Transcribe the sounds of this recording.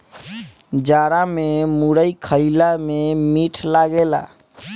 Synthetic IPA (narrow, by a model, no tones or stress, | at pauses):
d͡ʒaɾamemuɽəjkʰəɪlamemiʈʰlaɡela̰